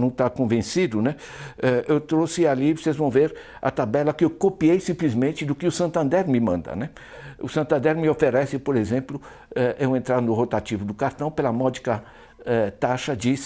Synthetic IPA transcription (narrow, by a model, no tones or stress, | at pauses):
nɐ̃w̃t̪akõvẽsid̪ʊnɛ | ɛewt̪ɾosɪalivosezvɐ̃w̃veɾ | ɐ̰t̪abɛlɐkɪewkopiejsĩmplizmẽnt͡ʃɪd̪ʊkɪʊsɐ̃nt̪ɐ̃nd̪ɛɾmɪmɐ̰̃nd̪ɐ̰nɛ | ʊsɐ̃nt̪ɐ̃nd̪ɛɾmɪofeɾɛsɪpoɾezẽplʊ | ɛʔewẽnt̪ɾaɾnʊɦot̪at͡ʃivʊd̪ʊkaɾt̪ɐ̃w̃pelɐmɔd͡ʒikɐ | ɛt̪aʃɐd͡ʒis